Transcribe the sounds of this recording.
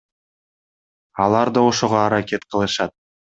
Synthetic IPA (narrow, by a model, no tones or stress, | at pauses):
ɑlˠɑɾd̪ɑŏʃuʁɑːɾakʲe̞t̪qʰəlˠɤ̆ʃɑt̪̚